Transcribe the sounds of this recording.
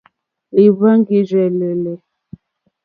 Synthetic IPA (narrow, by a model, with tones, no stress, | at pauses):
li˨βa˦ŋ˦ɡi˦zɛ˨lɛ˨lɛ˨